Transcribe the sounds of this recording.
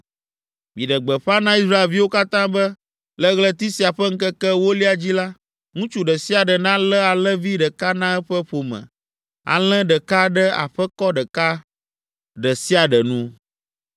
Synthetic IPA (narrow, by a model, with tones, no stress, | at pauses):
mĩ˨ɖə˨ɡ͡bɛ˨ɸa˦nã˦i˦sɾa˦e˨lvi˦wo˦ka˦t̪ã˦bə˦ | lə˦ɣlɛ˦t̪i˦si˨a˨ɸɛ˦ŋ̩˦kɛ˦kɛ˦wo˦li˦a˨d͡ʑi˦la˦ | ŋũ˦t͡ʃu˦ɖə˨si˦a˨ɖə˨nã˦lɛ˦a˨lɛ̃˦vi˦ɖə˨ka˦nã˦ɛ˦ɸɛ˦ɸo˨mɛ̰̃˨ | a̰˨l̃ɛ̃˦ɖə˨ka˦ɖə˦a̰˨ɸɛ˦kɔ˦ɖə˨ka˦ | ɖə˨si˦a˨ɖə˨nũ˦